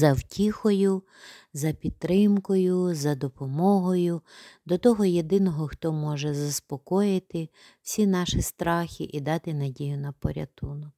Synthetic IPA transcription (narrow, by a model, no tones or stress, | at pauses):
zɐwtʲixɔjʊ | zɐpʲid̪̚t̪ːɾɪmkɔjʊzɐd̪ɔpɔmɔɦɔjʊd̪ɔt̪ɔɦɔjed̪ɪnɔɦɔxt̪ɔmɔʒɛzɐspɔkɔjɪt̪ɪ | wsʲinɑʃist̪ɾɑxʲiʔid̪ɑt̪ɪnɐdʲijʊnɐpɔ̰ɾʲɐ̰t̪unɔk